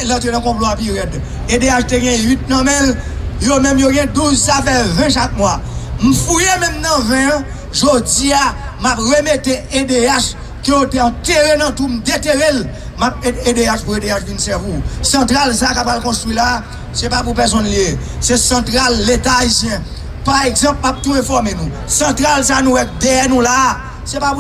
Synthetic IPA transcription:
lãt̪enãkɔ̃ploapiʁɛd | edeaʃteɡɛ̃ɥit̪̚nɐ̃mɛ̃ljomɛ̃mjoɡɛ̃duzsafɛvɛ̃ʃak̚mwam̩fujemɛ̃mnɐ̃vɛ̃ | ʒod͡ziamapʁemeteedeaʃ | kəjoteɑ̃t̪eʁenɐ̃tum̩d̪eteʁel | map̚eedeaʃpuedeaʃvinsɛvisɑ̃t̪ʁalsakapalkɔ̃st̪wila | sɛpap̬upɛs̬ɔ̃nlie | sesɐ̃t̪ʁalːet̪aːisjɛ̃ | paʁeɡzɑ̃p̚map̚t̪uɛ̃fɔʁmenũ | sɑ̃t̪ʁalsanũwɛk̚d̪eɛnũla | sɛpapu

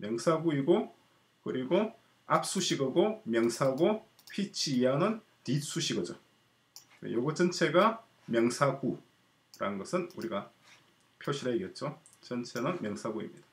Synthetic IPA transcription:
mjʌŋsʰaɡuiɡo | kɯɾiɡo | ap̚s͈uɕʰiɡɯɡomjʌŋsʰaɡo | ɸit͡ɕʰianɯn | tis͈uɕʰiɡɯd͡ʑo | wḛjoɡʌt͡ɕʌnt͡ɕʰeɡa | mjʌŋsʰaɡu | ɾa̰nɯnɡʌsʰɯnuɾiɡa | pʰjoɕʰiɾaiɡe̞t̚t͡ɕ͈o | t͡ɕʌnt͡ɕʰe̞nɯnmjʌŋsʰaɡuḭmɲid̥ḁ

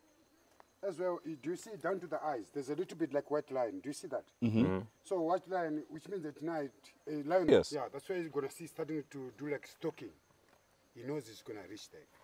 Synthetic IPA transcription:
ɛzwɛlˠdujusidãʊ̃ntuðiʔajzðɛzəlitl̩ˠbitlaɪkwatlãɪ̃ndujusiðæt̩ | sowatlãj̃nwit͡ʃmĩnzɨtnaɪtlãɪnɛsjaðætswaɪiɡɔnəsistat̬ĩŋtudulaɪkstɔkɪ̃ŋ | hinozizɡɔnəɹit͡ʃðɛ̰

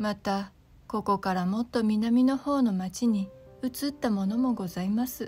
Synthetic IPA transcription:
mat̪a | ko̞ko̞kaɾamo̞t̪ːo̞mʲinamʲino̞ho̞ːno̞mat͡ɕiɲ̟iɯ̟t͡sɨt̪ːamo̞no̞mo̞ɡo̞zaimasɨ

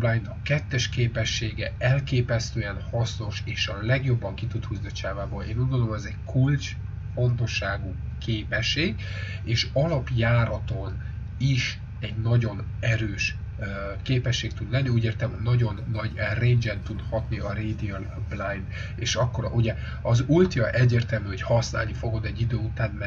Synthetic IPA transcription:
blajnd̪ɒkɛt̪ːɛʃkeːpɛʃːeːɡɛɛlkeːpɛst̪øːɛnhɒsno̞ʃeːʃɒlɛɡjo̞bːɒŋkit̪ut̪huːzniɒt͡ʃaːvaːboːlḛːnuːɟɡond̪olomɛzɛɟkʰult͡ʃ | fo̞nt̪o̞ʃːaːɡuː | kʰeːpɛʃːeːɡ | eːʃɒlɒpjaːɾɒt̪o̞n | iʃ | ɛɟnɒɟo̞n | ɛɾøːʃ | keːpɛʃːeːk̚t̪ud̪lɛnːiuːɟeːrt̪ɛmhoːɒɟo̞nːɒɟreɲd͡ʒɛnt̪ud̪hɒt̪niɒɾeːd̪iɒl | blajn | eːʃɒkːo̞ɾʔuɟɛ | ɒzult̪jɒʔɛɟːeːrt̪ɛlmyːho̞chɒsna̰ːlnifo̞ɡo̞d̪ɛɟːid̪øːut̪aːnmɛ

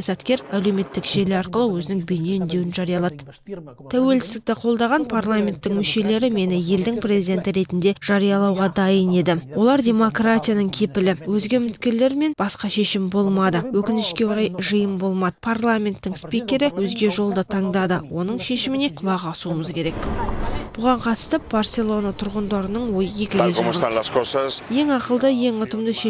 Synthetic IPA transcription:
jɑsɑt̪kʲe̞ɾæle̞wme̞t̪ːɪkʒ̥e̞lɪɑɾqəlˠəwɵzɪnɪŋbʏne̞ʏnd̪e̞wɪnʒɑɾijɑlˠɑd̪ə | t̪ʰæwe̞lsɪ̥sd̪ɪk̚t̪ɪqʰo̞lˠd̪ɑʁɑnpʰarlˠamʲe̞nt̪ːɪŋmʏʃe̞le̞ɾɪme̞nɪje̞ld̪ɪŋprʲe̞zid̪ʲe̞nt̪ɪɾe̞t̪ɪnd̪e̞ʒ̥ɑɾijɑlˠɑwʁɑd̪ɑjəne̞d̪ɪwo̞lˠɑɾd̪ʲe̞mo̞krat̪ʲijanəɴkʲʰe̞pɪlɪwɵzɡʲe̞mʏt̪kʲe̞ɾle̞ɾme̞nb̥ɑsqɑʃe̞ʃɪmbo̞lˠmɑd̪əwɵkʲɪnɪʃkʲe̞oɾɑjʒəjəmbo̞lˠmɑd̪əpʰarlˠamʲe̞nt̪ːɪŋspikʲe̞ɾɪwɵzɡʲe̞ʒo̞lˠd̪ət̪ʰɑɴd̪ɑd̪əwo̞nəɴʃe̞ʃɪmɪne̞qʰʊlˠɑʁɑsuəməzkʲʰe̞ɾe̞kb̥ʊʁɑɴqʰɑt̪ə̥st̪əp̚barse̞lˠo̞nat̪ʰʊɾʁənd̪ɑɾənəɴwo̞jəje̞kʲɪɡ̪eʒ | je̞ŋɑqəlˠd̪əje̞ŋʊt̪əmd̪əʃe

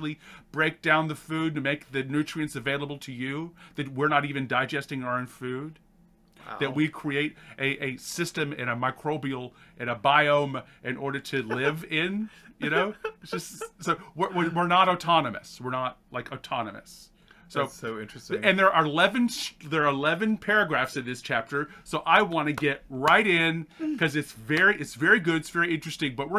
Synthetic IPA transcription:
lˠib̥ɹeɪk̚d̥ãʊ̃nðɨfʉdɨmeɪk̚ðɨnʉt͡ʃɹ̥iɨ̃nsɨveɪlˠəbl̩ˠtʰɨjʉðɨt̬̚wɪɹnəɾivɨ̃ndaɪd͡ʒɛstɪ̃ŋə˞õʊ̃nfʉd̪̰̚ | ðɨt̚wikʰɹ̥ieɪɾʔɨʔɨsɪstɨ̃mɪ̰̃ñɨmaɪkʰɹ̥oʊbil̩ˠʔɨ̃nɨbaɪõʊ̃mʔɪ̃nʔɔɹɾə˞ɾɨlɪvɪ̃njɨnoʊ̥ʒ̥ʌstsoʊwɪwɪwɪɹnəɾoʊtʰɑnɨmɨ̰swɨɹnət̚laɪkoʊtʰɑnɨ̰mɨ̰sː | oʊoʊɪ̰̃nt͡ʃɹ̥ɨɨ̃nðə˞ʔəlɛvɨ̃nðə˞əlɛvɨ̃npʰɛɹɨɡɹæfsɨ̃nðɪst͡ʃʰæp̚tə˞soʊʔaɪwɑ̃nɨɡɛt̚ɹaɪɾɪ̃nkʰʌzɨtsvɛɹiʔɨtsvɛɹiɡʊɾɨtsv̥ɛɹiɪ̃nt͡ʃɹ̥ɨstɪ̃ŋbʌt̚wɪ

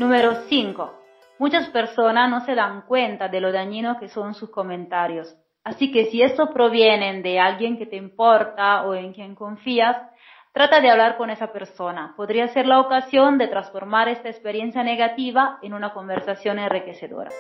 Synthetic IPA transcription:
numeɾosiŋko | mut͡ʃaspeɾsonasnoseðaŋkwent̪ad̪eloðaɲinokesonsuskomẽnt̪aɾjos | asikesiest̪opɾoβjenend̪ealɡjeŋket̪eimpoɾt̪aoeŋkjeŋkoɱfias | t̪ɾat̪aðeaβlaɾkonesapeɾsonapodɾiaseɾlaokasjond̪et̪ɾasfoɾmaɾest̪aespeɾjensjaneɣat̪iβaenunakombeɾsasjonenrikeseðo̰ɾa̰

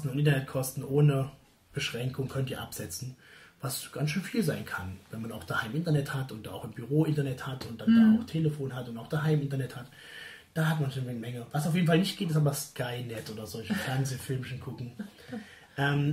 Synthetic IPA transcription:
stn̩ʊntʔɪntɐnɛt̚kʰɔstn̩ʔoːnə | b̥əʃʁ̥ɛŋkʰʊŋkʰœntiːɐʔa̰pz̥ɛt͡sn̩ | vasɡ̥ansʃøːnfiːlzaɪnkʰanvɛnmanaʊxd̥ahaɪmʔɪntɐnɛthatʊntd̥aːʔaʊxɪmbyʁoːʔɪntɐnɛthatʊnt̚d̥anddaːaʊxtʰeːləfoːnɦatʊntaʊxd̥aɦaɪmʔɪntɐnɛthat | d̥aːhatmanʃonnɛmɛŋəvasaʊfjeːdn̩falnɪçt̚ɡ̥eːtɪstaːbɐskʰaɪnɛtʔoːdɐzɔlçəfɛɐnzeːfɪlmʃnkʰʊkŋ̩ | ʔɛːm

